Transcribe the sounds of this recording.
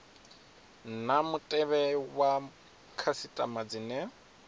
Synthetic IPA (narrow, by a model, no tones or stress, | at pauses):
namʊtʼɛβɛwa | kʰasitʼamad͡zinɛ